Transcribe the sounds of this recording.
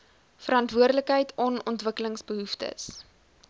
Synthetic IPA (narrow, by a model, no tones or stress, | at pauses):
fəɾɑntvuərdələkɦəjtʰɔnɔntvəkələŋsbəɦuftə̰s